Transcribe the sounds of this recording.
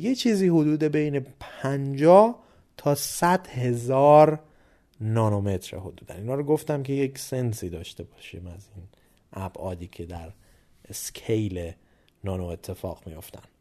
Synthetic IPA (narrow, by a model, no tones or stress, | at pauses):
jet͡ʃʰiːziːhod̪uːd̪e̞be̞jne̞pʰænd͡ʒɒːh | t̪ʰɒːsæd̪he̞zɒːɾ | nɒːnome̞t̪ɾeɦod̪uːd̪æ̰niːnɒːɾoɡo̞ft̪æmkʰe̞jecse̞nsiːd̪ɒːʃt̪e̞bɒːʃiːmæzin | ʔæb̥ʔɒːd̪iːcʰe̞d̪æɾ | eskʰejle | nɒːnoet̪ʰːe̞fɒ̰ːɣ̥mijo̞ft̪æ̰n